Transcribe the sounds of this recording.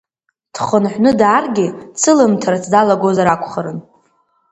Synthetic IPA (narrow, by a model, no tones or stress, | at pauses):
d̥χənħʷnɨdaːrɡʲɪt͡sʰɨlɨmtʰaɾat͡sʰdalaɡozaɾakʷʰʼχaɾɨn